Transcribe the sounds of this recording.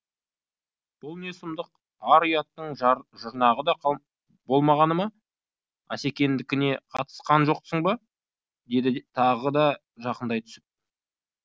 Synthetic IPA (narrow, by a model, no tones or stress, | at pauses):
b̥ʊlˠnesəmd̪əq | ɑɾijɑt̪ːəɴʒəɾnɑʁəd̪ɑ | bo̞lˠmɑʁɑnəmɑ | æ̰se̞kʲe̞nd̪ɪkʲɪne̞qʰɑt̪ə̥sqɑnʒo̞qsəɴbɑ | d̪e̞d̪ɪt̪ʰɑʁəd̪ɑ | ʒɑqənd̪ɑjt̪ʰʏ̥sɪp̚